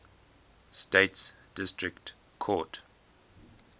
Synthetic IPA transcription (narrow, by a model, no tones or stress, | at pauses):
steɪts | d̥ɪstɹɪkt | kʰɔt